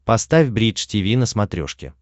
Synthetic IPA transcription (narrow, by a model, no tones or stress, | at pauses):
pɐst̪afʲbɾʲit͡ʃtʲɪvʲinəsmɐt̪ɾʲo̰ʂkʲɪ̰